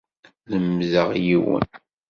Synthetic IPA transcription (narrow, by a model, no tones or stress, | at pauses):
ləmzəʁjiwə̰n